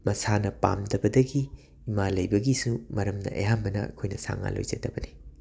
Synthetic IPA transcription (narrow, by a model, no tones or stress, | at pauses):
mɐsanɐpa̰mdɐbɐdɐɡiː | malɐjbɐɡisumɐɾɐmnɐ̰ʔḛɦambɐnɐɐ̰kʰojnɐsa̰ŋa̰lo̰jzɐtːɐbɐni